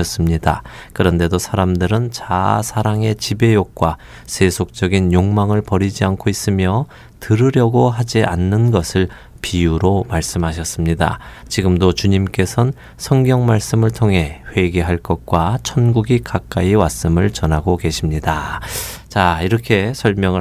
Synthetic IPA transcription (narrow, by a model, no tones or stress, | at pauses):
ʌs͈ɯmɲidakɯɾʌnde̞dosʰaɾamdɯɾɯnt͡ɕa̰sʰaɾaŋe̞t͡ɕibe̞jok̚k͈wa | sʰe̞sʰok̚t͡ɕ͈ʌɡinjoŋmaŋɯɭpʌɾid͡ʑiankʰois͈ɯmjʌ | tɯɾɯɾjʌɡoɦad͡ʑiʔanːɯnɡʌsʰɯɭ | pijuɾomaɭs͈ɯmɦaɕʰʌs͈ɯmɲida̰ | t͡ɕiɡɯmdot͡ɕuɲimk͈e̞sʰʌn | sʰʌŋɡjʌŋmaɭs͈ɯmɯɭtʰoŋɦe̞ɸwe̞ɡe̞ɦaɭk͈ʌt̚k͈wat͡ɕʰʌnɡuɡikak͈̚aiwas͈ɯmɯɭt͡ɕʌnɦaɡoke̞ɕʰimɲida | t͡ɕaiɾʌkʰe̞sʰʌɭmjʌŋɯ